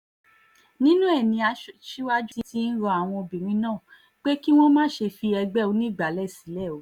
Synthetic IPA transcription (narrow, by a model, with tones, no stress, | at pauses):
nĩ˦nũ˦ɛ˦˨nĩ˧a˧ʃʃi˦wa˦d͡ʒu˦i˦ti˦n̩˦ɾɔ˧a˨w̃ɔ̃˧o˧bĩ˨ɾ̃ĩ˧˦nãː˦˨ | k͡pe˦ki˦w̃ɔ̃˦mãː˦˨˦ʃe˧fi˧ɛ˧ɡ͡bɛ˦˨o˨˧nĩ˦˨ɡ͡ba˨˦lɛ˦˨si˨˦lɛ˦˨o˨˦